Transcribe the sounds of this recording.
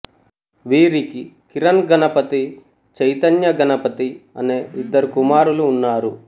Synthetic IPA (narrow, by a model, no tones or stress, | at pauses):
ʋiːɾikikiɾɐnɡɐnɐpɐt̪i | t͡ʃɐjt̪ɐnjɐɡɐnɐpɐt̪iɐ̰ne̞ːʔid̪ːɐɾukumaːɾuluːnːaːɾu